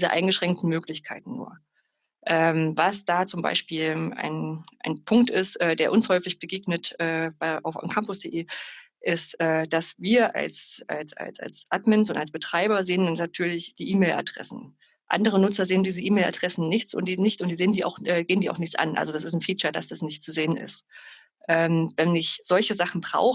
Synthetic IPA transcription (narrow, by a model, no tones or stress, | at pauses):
d̥iːzəʔa̰ɪnɡəʃʁ̥ɛŋk̚tn̩møːklɪçkʰaɪtn̩ːṵːɐ | ʔɛːmvasd̥aːt͡sʊmba̰ɪʃpiːla̰ɪnʔa̰ɪnpʰʊŋk̚tɪstʔɛːdeːɐʔʊnshɔʏfɪçb̥əɡeːɡnətʔɛːb̥aɪʔa̰ʊfmkʰampʊsd̥eʔeː | ʔɪstʔɛːd̥asviːɐʔa̰lsa̰lsa̰lsa̰lsʔatmɛnsʊntalsb̥ətʁ̥aɪbɐzeːənannatʰyːɐlɪçd̥iːʔiːmeːlʔa̰d̥ʁɛ̰sn̩ | ʔa̰ndəʁ̞ənʊt͡sɐzeːəndiːzəʔiːmɛːlʔa̰dʁɛsn̩nɪçt͡sʊ̰ntd̥iːnɪçtʊntd̥iːzeːəndiːa̰ʊxʔɛːɡeːəndiːaʊxnɪçt͡sʔa̰nʔa̰lzod̥as̬ɪstn̩fiːt͡ʃɐd̥asd̥asnɪçtt͡suzeːənɪ̰st | ʔɛːmvɛnɪçz̥ɔlçəzaχn̩bʁa̰ʊx